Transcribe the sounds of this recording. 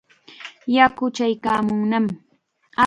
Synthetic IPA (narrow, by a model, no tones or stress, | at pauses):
jakʊt͡ʃajkaːmʊŋnam | a